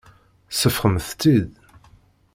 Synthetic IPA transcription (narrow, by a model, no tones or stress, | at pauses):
səfχəmθt͡s̪ːið